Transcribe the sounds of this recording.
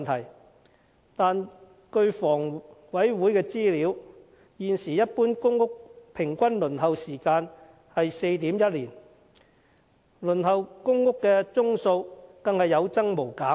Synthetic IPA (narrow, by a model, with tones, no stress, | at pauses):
nt̪ʰɐ˨˩j | t̪aː˨n | kɵ˧ɥfɔː˨˩ŋwɐ˨˥jwuː˨˥jkɛː˧t͡siː˥liː˨˥w | jiː˨nsiː˨˩jɐ˥t̚puː˥nkʊ˥ŋːʊ˥k̚pʰɪ˨˩ŋkʷɐ˥nlɵ˨˩nɦɐ˨wsiː˨˩kaː˧n | hɐ˨jse˧jt̪iː˨˥mjɐ˥t̚liː˨˩n | lɵ˨˩nɦɐ˨wkʊ˥ŋːʊ˥kːɛː˧t͡sʊ˥ŋso˧wkɐ˨˧ŋhɐ˨jːɐ˨˧wt͡sɐ˥ŋmo˨˩wkaː˨˥